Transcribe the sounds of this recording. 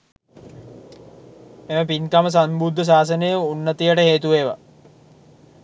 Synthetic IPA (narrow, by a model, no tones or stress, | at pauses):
eməpinkaməs̬ambud̪ʱːəs̬aːs̬ənəjəunːət̪ijəʈəɦeːt̪uʋeːʋa̰